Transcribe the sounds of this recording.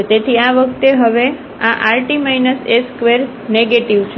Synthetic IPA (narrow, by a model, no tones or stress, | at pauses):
t̪et̪ʰiaʋəkʰt̪eɦəʋe | aʔaɾʈimainəseskʋeɾ | neɡeʈiʋt͡ʃʰ